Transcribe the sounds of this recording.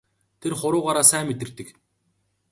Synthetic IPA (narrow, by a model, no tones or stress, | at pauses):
t̪ʰerχʊɾʊːʁaɾaːsæːmet̪ɘ̆rt̪ɘ̆k